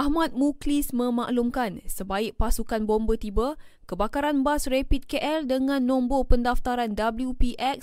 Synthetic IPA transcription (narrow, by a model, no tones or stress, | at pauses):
ʔahmat̪̚muklismə̃maʔlumkansəbaɪʔ̚pasukanbombət̪ibə | kəbakaɾanbasrepit̪̚keʔɛldəŋãnːɔ̃mbopəndaft̪aɾandabəljupiʔɛk̚s